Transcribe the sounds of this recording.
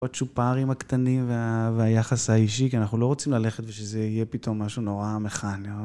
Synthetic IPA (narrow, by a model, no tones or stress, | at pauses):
at͡ʃupaʁimakt̪animveaveajaχashaiʃikianaχnulo̞ʁot͡simlale̞χet̪veʃezeijepit̪ʰo̞mːaʃuno̞ʁame̞χani